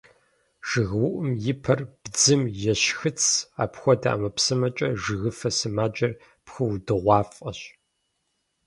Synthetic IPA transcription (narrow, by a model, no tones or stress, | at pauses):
ʒ̥ɨɣwʊʔʊmjɪpʰɐrb̥d͡zɨmjɛɕxɨt͡sʰa̰ːpxʷɔda̰ʔɐmɐpsɨmɐt͡ʃʼɐʒɨɣɨfɐsɨmaːd͡ʒʼɐr | pxɨwdɨʁʷɑːfʼɐɕ